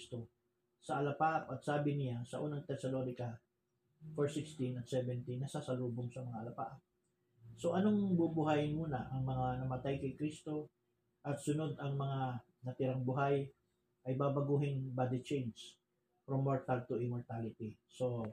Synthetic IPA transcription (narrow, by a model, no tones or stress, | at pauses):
st̪o | sɐʔɐlɐpaʔɐpɐɡ̚saːbɪnɪjasɐ̰ʔuːnɐŋt̪ɛsɐlo̞nɪkɐ | foɹsɪkst̪ɪnɐt̪sɛvɛnt̪inːɐsasɐluːboŋsɐmɐŋaʔɐlɐpa̰ʔɐp̚ | so̞ʔɐnoŋbubʊɦajmuːnɐʔɐŋmɐŋanɐmɐt̪ajkɐjkɾist̪o̞ | ʔɐt̪sʊno̞d̪ɐŋmɐŋa | nɐt̪ɪɾaŋbʊɦaj | ʔɐjbabɐɡuːɦɪnbad̪ɪt͡ʃɛjns | fɾomːoɹt̪ɐlt̪ʊʔɪmoɹt̪alɪt̪iso̞